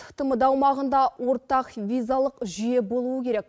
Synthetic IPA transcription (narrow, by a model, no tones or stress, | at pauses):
ət̪əməd̪ɑwmɑʁənd̪ɑwo̞ɾt̪ɑqvʲijzalˠəqʒije̞bo̞lˠuwəkʲʰe̞ɾek